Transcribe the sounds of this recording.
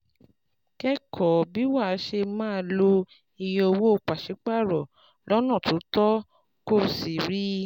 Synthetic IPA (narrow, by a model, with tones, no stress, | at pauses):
kɛ˦kʰɔ˨bi˦wa˦˨˦ʃe˧mãː˦˧˦lo˧ | i˧j̃ĩ˧o˧wo˦o˧˨k͡pa˨ʃe˨˦k͡pa˦˨ɾɔ˨ | lɔ˦nã˦˨to˨˦tɔ˦ | ko˦˨si˨ɾi˦